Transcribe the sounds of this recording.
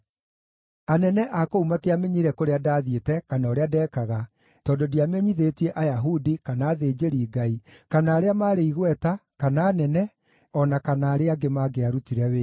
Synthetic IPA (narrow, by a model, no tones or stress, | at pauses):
anɛnɛʔakoumateameɲiɾɛkoɾeadaːðietɛkanaoɾeadɛːkaɣa | tɔːdodiameɲiðetiɛʔajaɦudikanaːðeːd͡ʑeɾiːɡaikanaːɾeamaːɾeiɣwɛtakanaːnɛnɛ | ɔnakanaːɾeaɡemaːɡeaɾutiɾɛwe